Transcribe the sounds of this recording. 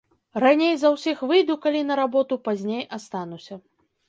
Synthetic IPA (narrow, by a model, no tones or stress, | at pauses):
ranʲejzɐwsʲixvɨjd̪ukalʲinɐɾabɔt̪upazʲnʲejʔast̪anusʲɐ